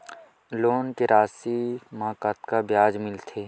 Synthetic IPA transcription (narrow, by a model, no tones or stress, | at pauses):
loːnkeɾʔaːsimãːkat̪kabjaːd͡ʒmɪlt̪ʰeː